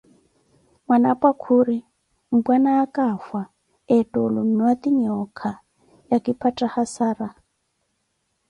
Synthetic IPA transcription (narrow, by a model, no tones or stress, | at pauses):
mwanapʼakʰuɾi | m̩bwanaːkʼafa | ɛtʼɔlumiwat̪iɲɔkʰa | jakʼipʰatʼahasaːra